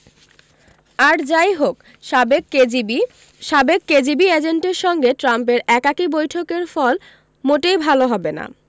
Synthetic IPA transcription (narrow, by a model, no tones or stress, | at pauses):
aɾd͡ʑajɦok | bek | ʃabekkːed͡ʑibied͡ʑeɳʈeɾʃɔŋɡeʈɾamp̬eɾɛkakibojʈʰokeɾfɔl | moʈejbʱaloɦɔbena̰